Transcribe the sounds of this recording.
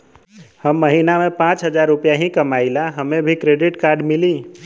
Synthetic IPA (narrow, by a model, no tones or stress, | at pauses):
həmːəɦinamepãt͡ʃɦəd͡ʒaɾːupjaɦĩkəmailaɦəmẽbʱikɾeɖiʈkaɾɖmili